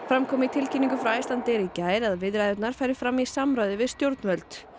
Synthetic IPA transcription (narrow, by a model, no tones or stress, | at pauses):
fɾamkʰɔːmɪit̪ʰɪlcʰinːiŋkʏfɾawajslant̪ɛɾicaːjɾaðvɪðɾajðɛt̪naɾ̥fajɾɪ̥fɾamisamɾajðɪvɪðst̪jowɾt̪nvœlt̪